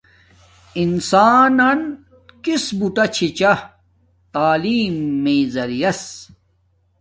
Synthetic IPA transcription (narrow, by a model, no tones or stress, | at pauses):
insaːnɐn | kisbuʈɐt͡ɕʰit͡ɕɐ | t̪aːliːmːeːzɐɾijɐs